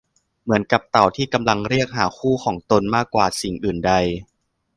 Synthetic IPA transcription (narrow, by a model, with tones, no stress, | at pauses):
mɯ˩˦ənka˨˩p̚t̪a˨˩wt̪ʰiː˥˩ka˧mla˧ŋɾi˥˩ək̚ɦaː˩˦kʰuː˥˩kʰɔː˩˦ŋt̪o˧nmaː˥˩kːwaː˨˩si˨˩ŋʔɯː˨˩nda˧j